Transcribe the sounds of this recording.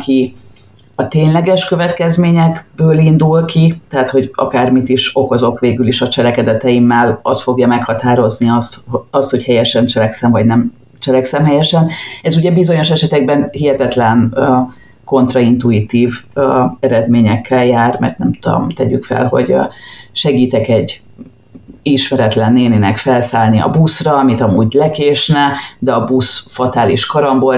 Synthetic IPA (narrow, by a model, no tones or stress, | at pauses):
ki | ɒt̪eːnlɛɡɛʃkø̞vɛt̪kɛzmeːɲɛɡbøːlind̪ulkit̪ɛɦat̪ho̞ɟɒ̰kaːrmit̪iʃo̞ko̞zo̞kʋeːɡyliʃɒt͡ʃɛlɛkɛd̪ɛt̪ɛjimːɛlɒ̰st̪fo̞ɡjɒmɛkhɒt̪aːɾo̞zniɒst̪hɒst̪ho̞chɛjɛʃɛnt͡ʃɛlɛksɛɱvɒɟnɛm | t͡ʃɛlɛksɛmhɛjɛʃɛnɛzuɟɛbizo̞ɲo̞ʃɛʃɛt̪ɛɡ̚bɛnhiɦɛt̪ɛt̪lɛn | ko̞nt̪rɒint̪uit̪iːvɛɾɛd̪meːɲɛkʰːɛljaːrmɛ̰rt̪nɛmtuo̰mt̪ɛɟykfɛ̰lɦo̞̰ɟʃɛɡiːt̪ɛkɛɟː | iʃmɛɾɛt̪lɛnːeːninɛkfɛlsaːlniɒ̰busrɒɒmit̪ɒmuːɟlɛkeːʃnɛd̪ɛɒbusfɒt̪aːlḭʃkɒɾɒmbo